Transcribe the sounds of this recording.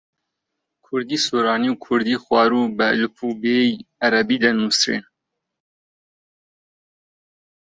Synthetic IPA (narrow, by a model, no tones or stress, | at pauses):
kʰʊɾd̪iːsuːɾɑːniwkʰʊɾd̪iːxwɑːɾuːbɛlupʰubejaɾɛbiːd̪ɐnusɾḛːn